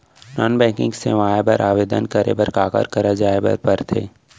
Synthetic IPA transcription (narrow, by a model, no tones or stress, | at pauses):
nɔːnbɛ̃ːkɪ̃ŋɡsḛʋaːebɐɾʔaːʋeːd̪ənkəɾḛbɐɾkaːkə̰ɾkɐɾad͡ʒaːebɐ̰ɾpəɾt̪ʰeː